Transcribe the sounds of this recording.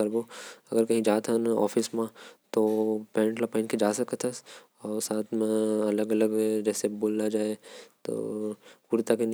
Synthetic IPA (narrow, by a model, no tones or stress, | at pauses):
ɐɾboɐɡəɾkɐɦĩd͡ʒaːt̪ɦənɔ̰ːfʰɪsmãt̪opɛ̃ːɳʈlapaɪnked͡ʒaːsɐkət̪ʰəs | ɔːɾsaːt̪ʰmẽɐləɡɐləɡd͡ʒɛːseboːlːad͡ʒaːet̪o̰ːpuɾt̪aken